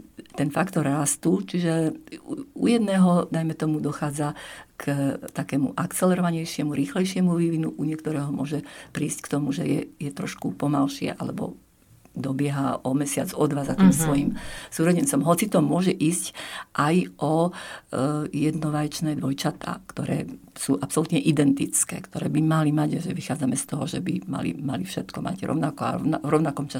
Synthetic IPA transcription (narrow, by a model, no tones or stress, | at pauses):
t̪ɛnfakt̪ɔɾːast̪uːt͡ʃiʒɛ | ṵjɛd̪nɛːɦɔd̪ajmɛt̪ɔmud̪ɔxaːd͡zakt̪akɛːmṵʔakt͡sɛlɛɾɔʋaɲɛjʃɪɛmuɾiːxlɛjʃɪɛmuʋiʋinuʔuɲɪɛkt̪ɔɾɛːɦɔmʊɔʒɛpɾiːsckt̪ɔmuʒɛjɛ̰jɛt̪ɾɔʃkupɔmalʃɪɛ̰ʔa̰lɛ̰bɔ̰ | d̪ɔbɪɛɦaʔɔmɛsɪad͡zɔd̪ʋazat̪iːmsʋɔjimsuːɾɔɟɛnt͡sɔmɦɔt͡sit̪ɔmʊɔʒɛʔiːscʔajʔɔ | jɛd̪nɔʋajt͡ʃnɛːd̪ʋɔjt͡ʃat̪a̰ːkt̪ɔɾɛ̰ːsuʔapsɔlut̪ɲɛʔid̪ɛnt̪it͡skɛ̰ːkt̪ɔɾɛ̰ːbimalimaɟaʒɛʋixaːd͡zamɛst̪ɔɦɔʒɛbima̰lḭma̰lifʃɛt̪kɔma̰ɟɾɔ̰ʊnakɔa̰naɾɔʊnakɔmt͡ʃa